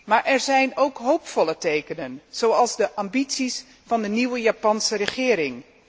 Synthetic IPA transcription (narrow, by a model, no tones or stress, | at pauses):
maːɹʔɛɹzɛjnowkɦowpfɔlətejkənənz̥owɑlˠzdəʔambitsis | fɑndəniwəjaːpɑnsərəχɪːɾɪŋ